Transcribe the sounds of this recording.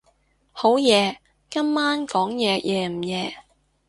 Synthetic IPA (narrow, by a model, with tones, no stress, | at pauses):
ho˨˥wjɛː˨˧ | kɐ˥mːaː˥nkɔː˨˥ŋjɛː˨jʔɛː˨˧m̩˨˩jɛː˨˧